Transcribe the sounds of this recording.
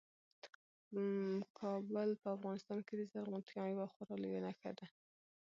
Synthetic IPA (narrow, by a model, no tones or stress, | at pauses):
kʰɑbəlpəafɣɑnɪst̪ɑnked̪əzaɾɣut̪kɑnwaxaɾɑljonaxa̰d̪a